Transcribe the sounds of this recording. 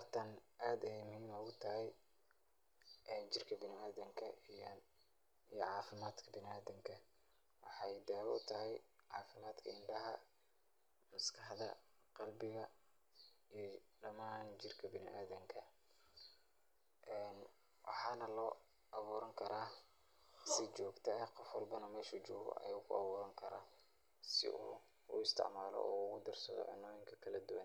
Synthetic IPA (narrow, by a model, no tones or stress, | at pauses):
rt̪ʰɐnʔaːd̪ɐhɛːmɪhiɪmɔɣʊt̪ʰɐɦɛj | ʔɛːnt͡ʃɪrkʰɐbɪnɪaːðɐŋkʰɐ | ijɞʕɑːfɪmaːd̪kʰɐbɪnaːðɐŋkʰɐ | wɑħɑjd̪aːʊ̰t̪ʰɐɦɛjʕɑːfɪmaːd̪kʰɐɪɳɖɐɦɐ | mɐskʰɑħðɐ̰ | qɑlbɪɣɐ | i | ɖɐmaːnt͡ʃɪrkʰɐbɪnɪ̰ʔaːðɐŋkʰɐ | ʔɛːn | wɑħɑːnɐlɔː | ʔɐβuːɾɐŋkʰɐɾaː | sɪt͡ʃɔːɡt̪ʰɛɐqɔfwɑlbɐnɐmɛːʃut͡ʃɔːɣɔ̰ʔɐ̰jʊkʰʊ̰ɑβuːɾɐŋkʰɐɾaː | sɪ̰ʔṵː | ʊ̰ɪst̪ʰɪ̰ʕmaːlɔ̰ɔːɣʊd̪ɐrsɐðɔ̰ʕɪ̰nːɔːjɪŋkʰɐkʰɐlɐd̪uwɐn